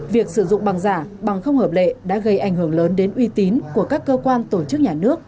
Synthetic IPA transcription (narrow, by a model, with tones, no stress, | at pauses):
vi˨˩ək̚sɨ˧˩zʊ̰˧˨ŋ͡mɓa˨˩ŋzaː˧˩ɓa˨˩ŋxə˧wŋ͡mhəː˨˩p̚lḛ˧˨ɗa̰ː˧˥ɣə˧jʔa˧˩jŋ̟hɨ˧˩əŋləː˨˦nɗe˨˦nʔwi˧t̪i˨˦nku˧˩əkaː˦˥kːəː˧kwaː˧nt̪o˧˩t͡ɕɨ˦˥k̚ɲaː˨˩nɨ˦˥ək̚